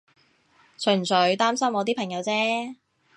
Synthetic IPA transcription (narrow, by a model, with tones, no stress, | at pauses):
t͡sʰɵ˨˩nsɵ˨˥ɥt̪aː˥msɐ˥mwɔː˨˧t̪iː˥pʰɐ˨˩ŋjɐ˨˧wt͡sɛː˥